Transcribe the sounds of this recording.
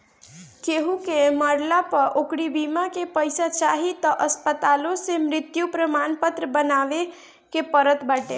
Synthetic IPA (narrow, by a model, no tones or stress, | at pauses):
keɦukeməɾlapəɾʔokɽibimakepəjsat͡ʃaɦit̪ɔʔəspət̪alõsemɾɪt̪jupɾəmanpət̪ɾəbənaʋe | kepəɾət̪bəʈḛ